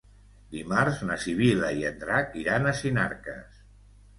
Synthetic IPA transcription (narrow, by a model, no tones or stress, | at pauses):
d̪imaɾznasiβilaiend̪ɾakiɾanəsina̰ɾkə̰s